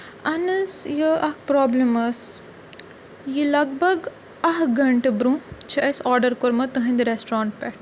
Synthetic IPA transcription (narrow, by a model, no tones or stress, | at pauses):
ɐnɨsjiɐhʰpɾɔːblɐmɐs | jilɐɡbɐɡ | ɐɦɡɐɳʈɨbɾũt͡ʃʰɐʔɐsɔːɾɖɐɾkoɾmɐt̪ɨɦɐ̃nd̪iɾesʈɾãːɳʈ̚pɛʈʰ